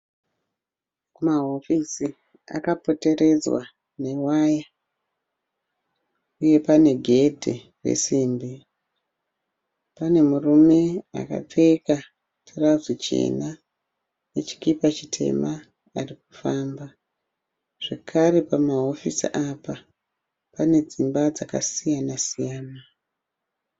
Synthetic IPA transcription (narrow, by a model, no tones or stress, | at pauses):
kumaɦo̞fisi | a̰kapo̞te̞ɾe̞d͡zwa̰ | ne̞waja | uje̞pane̞ɡʱe̞dʱḛ | rḛsiːmbi | pane̞murume̞a̰ka̰p͡feka | tʰirauzwet͡ʃḛna | net͡ʃi̥kipat͡ʃitʰe̞̰maː | rik̚u̥faːmba | ʐ̥ekʰare̞pamaɦo̞fisḭʔapa | pane̞d͡zimbad͡zaka̰sijanasijaːna